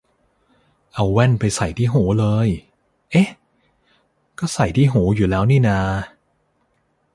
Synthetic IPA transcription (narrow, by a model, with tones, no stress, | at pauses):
ʔa˧wwɛ˥˩npa˧jsa˨˩jt̪ʰiː˥˩ɦuː˩˦lɤː˧j | ʔe˦˥ | kɔː˥˩sa˨˩jt̪ʰiː˥˩ɦuː˩˦juː˨˩lɛː˦˥wniː˥˩naː˧